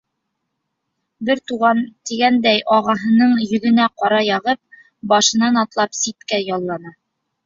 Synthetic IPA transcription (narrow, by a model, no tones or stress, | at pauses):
bɘɾt̪uʁɑnt̪iɡænd̪æjʔɒʁɑɦɤ̆nɤɴjɵ̆ðɘ̆næqɒɾɑjɑʁɤp̚ | bɒʃɤ̆nɑnɒt̪lˠɑpsit̪kæjɒlˠːɑnɑ